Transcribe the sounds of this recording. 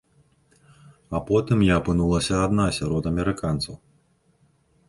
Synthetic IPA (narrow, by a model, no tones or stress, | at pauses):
apɔt̪ɨmjapɨnulˠɐsʲɐːd̪nasʲaɾɔt̪ɐmʲɛɾɨkant̪sɐw